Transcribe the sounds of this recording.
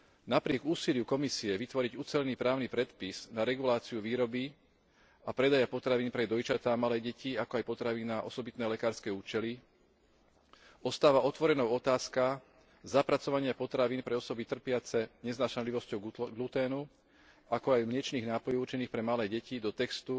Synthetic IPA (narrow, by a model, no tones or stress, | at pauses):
napɾɪɛɡuːsilɪukɔmisiɛʋit̪ʋɔɾiɟut͡sɛʎniːpɾaːʊnipɾɛt̪piz̥naɾɛɡulaːt͡siuʋiːɾɔbi | apɾɛd̪ajapɔt̪ɾaʋiːnpɾɛd̪ɔjt͡ʃat̪aːmalɛːɟɛciakɔajpɔt̪ɾaʋiːnaʔɔ̰sɔbit̪nɛːlɛkaːɾskɛːuːt͡ʃɛli | ɔst̪aːʋaɔt̪ʋɔɾɛnɔʊɔt̪aːska | zapɾat͡sɔʋaɲɪapɔt̪ɾaʋiːnpɾɛɔsɔbit̪r̩pɪat͡sɛɲɛznaːʃanliʋɔscɔʊɡlut̪ɛːnu | akɔajmɲɛt͡ʃniːɣnaːpɔjɔuɾt͡ʃɛniːxpɾɛmalɛːɟɛcid̪ɔt̪ɛkst̪u